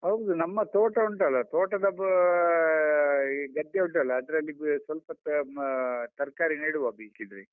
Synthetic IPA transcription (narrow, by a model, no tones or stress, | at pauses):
ɦɐwɡd̪unɐmːɐt̪oːʈɐuɳʈɐlːɐt̪oːʈɐd̪ɐb | ɡɐd̪jɐuɳʈɐlːɐːd̪ɐɾɐlːisʋɐlpɐt̪ | t̪ɐɾkaːɾiniːɽuʋaːɡisid̪ɾi